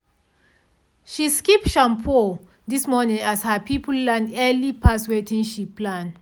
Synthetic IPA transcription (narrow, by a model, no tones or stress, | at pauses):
ʃiskipʃãmpʰo | dismɔnĩŋashapʰipllanɛlipʰaswetĩŋʃipːlãn